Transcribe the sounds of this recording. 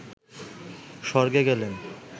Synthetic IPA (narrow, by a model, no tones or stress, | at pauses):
ʃɔɾɡeɡɛlen